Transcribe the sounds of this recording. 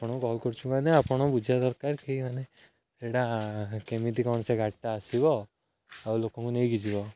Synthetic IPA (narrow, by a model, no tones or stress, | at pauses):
apɔɽ̃ɔkkɔlkɔɾt͡ʃʰukaneapɔɽ̃ɔbud͡ʒʱad̪ɔɾkaɾkimane | eɽakemit̪ikɔɳseɡʱaʈt̪aːsibɔ | awlokɔ̃ŋkunejɡid͡ʒibɔ